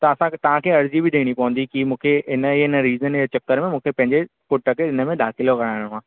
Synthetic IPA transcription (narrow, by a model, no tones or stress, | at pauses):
t̪ɐɐsãt̪ɐʋ̤ãkʰeːɐɾzibɪɗ̪ĩːɽ̃ipɐʋə̃n̆d̪ikimũːkʰeɪnəiɪnəɾiːzənjat͡ɕɐkːəɾmẽmũːkʰepɐ̃ɦɪ̃ɲd͡ʑepʊʈəkeɪnə̆mẽd̪aːxɪlokɐɾaːɪɽ̃ɦãː